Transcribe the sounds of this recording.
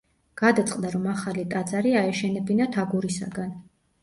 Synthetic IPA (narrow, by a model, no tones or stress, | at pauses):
ɡ̥ad̪at̪sʼqʼd̪aɾɔmaχalit̪ʼad̪zaɾiaɛʃɛnɛbinat̪ʰaɡuɾisa̰ɡan